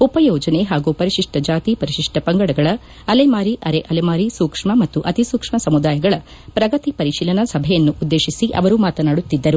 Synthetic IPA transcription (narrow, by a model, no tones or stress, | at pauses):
upɐjɔːd͡ʒɐneɦaːɡupɐɾiʃiʂʈɐd͡ʒaːt̪ipɐɾiʃiʂʈɐpɐŋɡɐɽɐɡɐɭɐ | ɐlemaːɾiʔɐɾeʔɐlemaːɾisuːkʂmɐmɐt̪ːuʔɐt̪isuːkʂmɐsɐmud̪aːjɐɡɐɭɐ | pɾɐɡɐt̪ipɐɾiʃiːlɐnɐsɐbʱɛjɐnːuʔud̪ːe̞ːʃisiʔɐ̰ʋɐɾumaːt̪ɐnaːɽut̪ːid̪ːɐɾu